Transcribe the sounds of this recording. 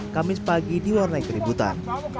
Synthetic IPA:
kamɪspaɡidiwarnaikəɾibut̪a̰n

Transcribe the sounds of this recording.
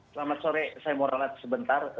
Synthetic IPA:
səlamat̪̚soɾɛsajamoɾalat̪səbənt̪ar

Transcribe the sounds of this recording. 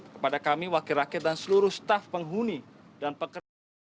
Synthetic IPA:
kəpadakamiwakiɾakiɛt̪̚dansəluɾʊhst̪afpəŋɦuni | danpəkə

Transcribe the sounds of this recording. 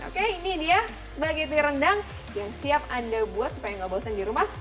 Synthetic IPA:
o̰keinidiasəbaɡit̪iɾəndaŋ | jaŋsiap̚adabuat̪̚su̥pajaŋɡabawasandiɾumah

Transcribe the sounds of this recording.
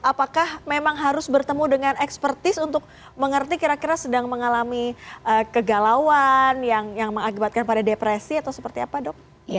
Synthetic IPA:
apakahmemaŋɦaɾʊsbərt̪əmudəŋanɛkspərt̪ɪsunt̪ʊk̚ | məŋərt̪ikiɾakiɾasədaŋməŋalamiʔəkəɡalawanjaŋjaŋməŋakibat̪̚kanpadadepɾesiat̪awsəpərt̪iapadɔk̚

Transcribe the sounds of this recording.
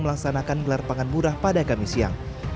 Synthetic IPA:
məlaksanakanɡəlarpaŋanbuɾahpadakamisia̰ŋ

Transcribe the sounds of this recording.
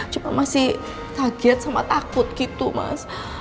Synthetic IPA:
t͡ʃumanmasih | t̪aɡɛt̪̚sama̰t̪akut̪̚kit̪uma̰s

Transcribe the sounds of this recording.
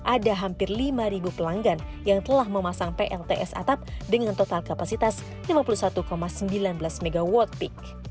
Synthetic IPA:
ʔadaɦampɪrlimaɾibupəlaŋɡanjaŋt̪əlahməmasaŋpeʔɛlt̪eʔɛsa̰t̪ap̚dəŋant̪ot̪alkapasit̪as | limapulusat̪ukomasəmbilanbəlasmeɡawɔt̪̚pik̚

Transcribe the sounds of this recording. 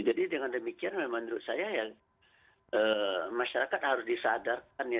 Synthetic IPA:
d͡ʒadidəŋandəmikianaamənuɾʊt̪̚sajaja | əmaʃaɾakat̪̚haɾʊsdisadark̚anja

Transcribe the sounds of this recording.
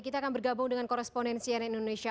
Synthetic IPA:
kit̪aːkanbərɡabʊŋdəŋankɔɾɛspondɛnsianaindoneʃia

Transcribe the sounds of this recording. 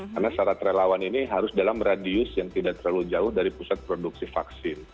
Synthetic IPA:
karnasaɾat̪ɾelawaniniɦaɾʊsdalamradiʊsjaŋt̪idaʔt̪ərlaluhd͡ʒaʊhdaɾipusat̪̚pɾoduksifaksɪn

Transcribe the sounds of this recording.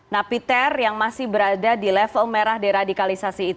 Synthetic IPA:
napit̪ɛrjaŋmasɪhbəɾadadilɛfəlmeɾahdɛɾadikalisasiːt̪

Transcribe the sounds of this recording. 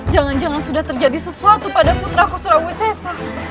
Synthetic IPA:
d͡ʒaŋand͡ʒaŋansudaht̪ərd͡ʒadisəsuat̪upadaput̪ɾakusɾawisɛsa

